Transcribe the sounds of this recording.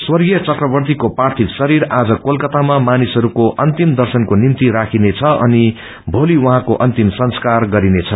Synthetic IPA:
swʌrɡijʌt͡sʌt̪rʌbʌrt̪ikoprart̪ʰiksʌɾiɾad͡zʌkolkʌt̪amamanisɦʌɾukoʔʌnt̪imd̪ʌrsʌnkonimt̪iɾakʰinet͡sʰʌʔʌ̰ni | bʱoliwʌɦãkoʔʌnt̪imsʌnskarɡʌɾinet͡sʰʌ

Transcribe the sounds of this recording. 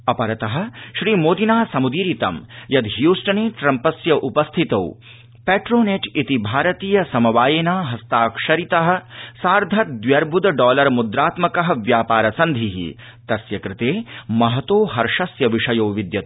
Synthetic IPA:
ɐpɐɾɐt̪ɐɦɐ̆ʃɾiːmoːd̪inaːsɐmud̪iːɾit̪ɐmjɐd̪ɦjuːsʈɐneːʈɾɐmpɐsjɐʔupɐst̪ʰit̪o̰ː | peːʈɾoːneʈit̪ibʱaːɾɐt̪iːjɐsɐmɐʋaːjeːnaːɦɐst̪aːkʂɐɾit̪ɐɦɐ̆saːɾd̪ʱɐt̪̚d̪ʋjɐɾbʱud̪ɐɖɔːlɐɾmud̪ɾaːt̪mɐkɐɦɐ̆ʋjaːpaːɾɐsɐnd̪ʱiɦḭ | t̪ɐsjɐkɾɪt̪eːmɐɦɐt̪oːɦɐɾʂɐsjɐʋiʂɐjoːʋid̪jɐt̪ː

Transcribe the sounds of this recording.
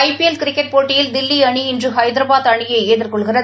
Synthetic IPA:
ɐɪpiɛlkɪɾɪkːɛʈ̚poːʈːɪjɪld̪ɪlːiɐɳiɪndrɯɦɐɪd̪ɪɾɐbaːðɐɳɪjɐɪeːðɪrkɔɭɣɪrɐ

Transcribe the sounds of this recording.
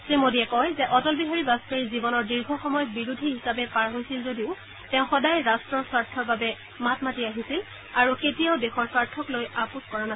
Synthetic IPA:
sɹimodijɛkɔjzɛʔɔtɔlbiɦaɹibaskaɹizibɔnɔɹdiɹɡʱɔxɔmɔjɔt̚biɹudʱiɦisabɛpaɹɦojsilzodiʊ | tɛ̃ʊ̃xɔdajɹastɹɔɹsaɹtʰːɔɹbabɛ | matmatiaɦisil | aɹuketijaʊdexɔɹsaɹtʰːɔklojapuskɔɹana

